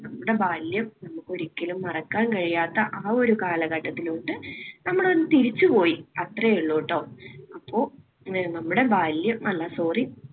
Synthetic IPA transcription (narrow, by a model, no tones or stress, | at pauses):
nɐmːuɽe̞baːljɐmnɐmːukːoɾikʲːɐlumːɐrɐkːaːnkɐɻijaːt̪ːɐʔaːo̞ɾukaːlɐɣɐʈːɐt̪ːiluːɳʈːɨnɐmːuɽeonːɨt̪iɾit͡ɕːupo̞ːjiɐt̪rɐjeɭːoːʈːoːɐpːo̞ː | nɐmːuɽe̞baːljɐmɐlːɐsoːri